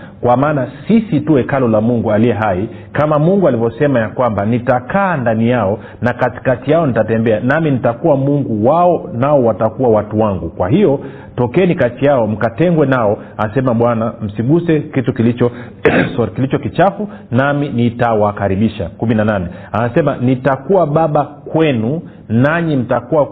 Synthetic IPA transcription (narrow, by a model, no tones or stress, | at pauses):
kwamaːnasisituɛkalɔlamuŋɡualiɛɦai | kamamuŋɡualivɔsɛmajakwambanitakaːndanijaɔ | nakati̥katijaɔnitatɛmbɛanaminitakuwamuŋɡuwaɔnaɔwatakuwawatuwaŋɡukwaɦijɔ | tɔkɛɛnikatijaɔm̩katɛŋɡwɛnaɔ | asɛmaɓwanam̩siɡusɛkitukilit͡ʃɔ | kilit͡ʃɔkit͡ʃafu | naminitawakaɾiɓiʃa̰kuminananɛaasɛmanitakuaɓaɓakwɛnu | naɲim̩takua